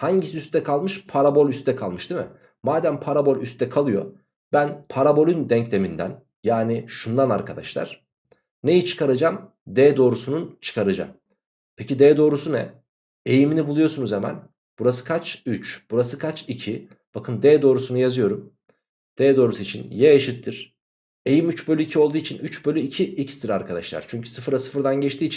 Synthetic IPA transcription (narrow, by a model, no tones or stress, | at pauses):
haɲɟisiyst̪ʰɛkʰalˠmɯʃpʰaɾabo̞lʲyst̪ʰɛkʰalˠmɯʃd̪imɪ̰ | maːd̪ænpʰaɾabo̞lʲyst̪ʰɛkʰalˠɯjo̞̰ | b̥ænpʰaɾabo̞lʲynd̪ɛɲclʲemind̪æ̰n | jaːniʃund̪ana̰ɾkʰad̪a̰ʃlˠa̰ɾ̥ | ne̞jit͡ʃʰɯ̥kʰaɾad͡ʒam | d̪ɛd̪o̞ːɾusununt͡ʃʰɯ̥kʰaɾɯd͡ʒa̰m | pʰe̞cid̪eːd̪o̞ːɾusunɛ̰ | e̞jiminibulˠujo̞sunuzhemæ̰n | b̥uɾasɯ̥kʰat͡ʃyt͡ʃb̥uɾasɯkʰat͡ʃicʰi | b̥akʰɯnd̪ɛːd̪o̞ːɾusunujazɯjo̞ɾum | d̪̥ɛːd̪o̞ːɾusuit͡ʃʰinjɛjaʃɯt̪ʰːɯɾ̥ | e̞jimyt͡ʃbølʲyicʰiolˠd̪uːit͡ʃʰinyt͡ʃbølʲyicʰiʔicst̪ʰiɾaɾkʰad̪aʃlˠa̰ɾ̥t͡ʃʰyɲcʰy̥sɯfɯɾasɯ̥fɯɾd̪anɟɛt͡ʃt̪ʰiːt͡ʃʰin